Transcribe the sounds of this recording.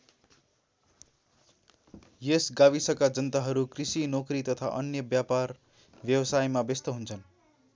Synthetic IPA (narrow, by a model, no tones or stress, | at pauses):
jesɡaβisʌkad͡zʌnt̪aɦʌɾukrisinokrit̪ʌt̪ʰaʔʌnjʌbjapar | bjʌbʌsajmabest̪ʌɦunt͡sʰʌn